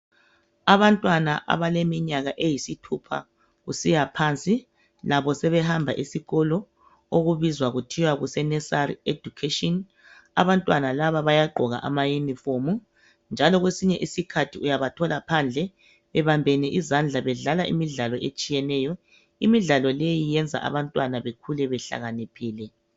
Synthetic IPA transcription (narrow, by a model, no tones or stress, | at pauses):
aβantʼwana̰ʔa̰βalemiɲaɣaʔejisitʰupʰa̰ | ɣusijapʰant͡sʼi | laβɔsɛβɛɦambʱa̰ʔisiɣɔlɔ | oɣuβizwaɣutʰiwaɣusɛnɛsaredukʰeʃʼɔn | aβantʼwanalaβaβajaɡ͡ǃʱɔɣa̰ʔa̰majunifomu | nd͡ʒʱalɔɣwesiɲɛʔisikʰatʰiujaβatʰɔlapʰand͡ɮʱɛ | βɛβambʱɛnɛʔizand͡ɮʱaβɛɮalaʔḭmiɮalɔʔet͡ʃʼijɛnɛjɔ | imiɮalɔlejijɛnd͡zʱa̰ʔa̰βantʼwanaβekʰulɛβɛɬa̰ɣanipʰiːlɛ